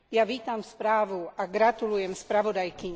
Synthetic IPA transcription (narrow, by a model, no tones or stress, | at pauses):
jaʋiːt̪amspɾaːʋuʔaɡɾat̪ulujɛmspɾaʋɔd̪ajkiɲ